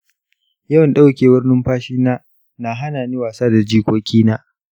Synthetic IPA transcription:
jɐ˦wɐ˨nɗa˦wkʲeː˨bʊ˦rnɪ˦mɸaː˦ʃiː˦naː˦ | na˨ɦa˦naː˨niː˦waː˨saː˦da˨d͡ʒiː˦kʷoː˦kʲiː˦naː˦ʔ

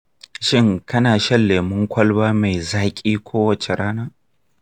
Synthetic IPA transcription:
ʃɪ˦˨ŋkɐ˦naː˨ʃɐ˦lːeː˨mʊ˦ŋkʷʰɐ˦lbaː˦ma˨jzaː˦kʲʼiː˦kʷʰoː˦wɐ˨t͡ʃe˨ɽaː˦naː˦

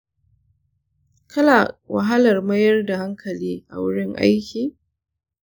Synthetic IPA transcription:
kʰɐ˦la˨wɐ˨ɦa˦lɐ˨rmɐ˦jɐ˦rda˨ɦa˦ŋkʰɐ˨liː˦ʔa̰˨wʊ˦ɽɪ˦ŋʔa̰˦jkʲiː˨

